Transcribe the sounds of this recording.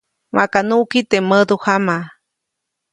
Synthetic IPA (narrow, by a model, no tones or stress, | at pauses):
mã̰kanuʔkit̪eməd̪uhama